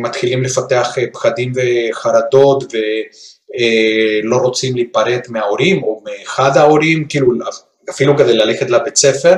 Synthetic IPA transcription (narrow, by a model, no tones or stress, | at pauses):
mat̪χilimle̞fat̪eaχpχad̪imveχaɾad̪o̞t̪ve | lo̞ɾo̞t͡simliːpaɾe̞t̪meao̞ɾimo̞meːχad̪haoɾimkiːlua | afiluked̪ejlale̞χet̪labet͡sefe̞ɾ